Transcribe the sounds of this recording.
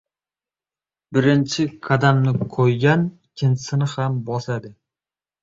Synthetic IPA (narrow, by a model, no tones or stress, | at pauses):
bɪɾɪnt͡ʃʰɪkʰad̪amnɪkʰojɡʲanɪkʲʰːɪnt͡ʃʰɪ̥sɪnɪhambɒsad̪ɪ